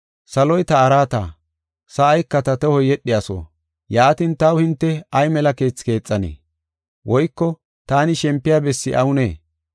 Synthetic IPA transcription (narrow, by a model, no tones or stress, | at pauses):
sɐlɔjt̪ɐːɾaːt̪a̰ː | sɐːjkːɐt̪ɐt̪ɛhɔjɛɗɪjaso̰ː | jaːt̪ɪnt̪ɐwhɪnt̪ːɛɐjmɛlɐke̞ːt͡sːke̞ːt͡sʼːɐnḛː | wʔɔjkːɔ | t̪aːnɪʃɛmpːɪjaːbɛsːɪʔɐwʊneː